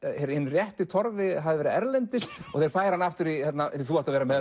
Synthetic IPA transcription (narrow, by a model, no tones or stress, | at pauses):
ɛɾɪnːrjɛht̪ɪt̪ʰɔɾvɪɦaðɪvɛɾɪɛɾlɛnt̪ɪsɔɣθejɾ̥faːjɾhanːaft̪ʏɾihɛt̪naθuaft̪aðvɛːɾamɛð